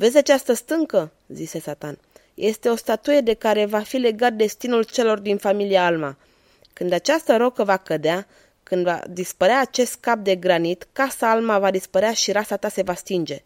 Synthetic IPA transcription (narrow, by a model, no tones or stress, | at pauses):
ve̞zʲat͡ʃast̪əst̪ɨŋkə | zise̞sat̪an | jʔe̞st̪e̞o̞st̪at̪uje̞d̪e̞kaɾe̞vafile̞ɡat̪̚d̪e̞st̪inult͡ʃe̞lo̞rd̪infamiliaalma̰ | kɨnd̪at͡ʃast̪əɾo̞kəvakəd̪ea | kɨnd̪va̰d̪ispəɾeaːt͡ʃe̞st̪̚kap̚d̪e̞ɡɾanit̪kasaalmavad̪ispəɾeaʃiɾasat̪ase̞vast̪ind͡ʒe̞